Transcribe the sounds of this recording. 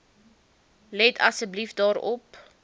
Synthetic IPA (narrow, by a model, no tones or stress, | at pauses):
lɛtʰɐsəblifdɑːɾɔp